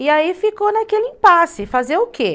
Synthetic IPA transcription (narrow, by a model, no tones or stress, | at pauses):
iaifikonakelɪẽpasɪfazeɾʊkʰe